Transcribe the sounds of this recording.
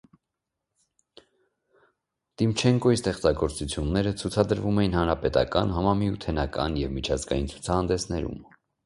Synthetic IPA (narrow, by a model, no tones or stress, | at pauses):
t̪imt͡ʃʰɛŋkɔist̪ɛχt͡sɑɡɔɾt͡sut͡sʰjunːɛɾət͡sʰut͡sʰɑd̪əɾvumɛjinhɑnɾɑpɛt̪ɑ̰kɑ̰nɦɑmɑmiut̪ʰɛnɑkɑ̰njɛvmit͡ʃʰɑzɡɑ̰jint͡sʰu̥t͡sʰɑhɑnd̪ɛsnɛɾṵm